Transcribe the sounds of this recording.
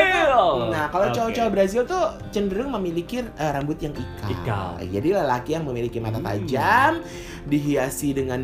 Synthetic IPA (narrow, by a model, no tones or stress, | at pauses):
nahkalat͡ʃaut͡ʃabəɾazɪlt̪u | t͡ʃəndəɾʊŋməmilikiəɾambʊt̪̚jaŋikʰa̰ka̰l̰d͡ʒadiləəlakijaŋməmilikimat̪at̪a̰d͡ʒam | diɦiasidəŋan